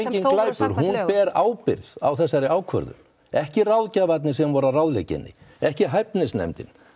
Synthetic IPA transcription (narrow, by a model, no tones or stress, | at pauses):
ecɪnklaːjpʏɾ̥ɦunpɛːɾaːwpɪɾða̰wθɛsːaɾɪaːwkʰvœ̰ɾðʏ̰m | ɛhcɪrawlcavat̪nɪs̬ɛmvɔɾarawðlecɪ̰nːɪ̰ɛhcɪɦajpnɪsnɛ̰mt̪ɪ̰n